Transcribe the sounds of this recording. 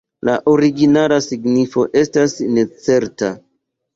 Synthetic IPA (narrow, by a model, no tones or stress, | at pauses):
laʔo̞ɾiɡinalasiɡnifo̞ʔe̞stasne̞t͡se̞ɾta